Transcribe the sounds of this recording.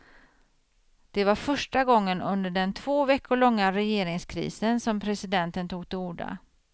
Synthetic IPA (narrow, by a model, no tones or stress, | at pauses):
d̪̥ɛvaɾfœʂʈaɡɔŋːənɵ̰nd̪əɖɛnt̪ʰv̥oːvɛkːʊɭɔŋːaɾɛjeːɾɪŋskʰɾḭːsənsɔmpʰɾɛsɪd̪ɛnt̪ənt̪ʰuːɡ̚t̪ɪuːɖa̰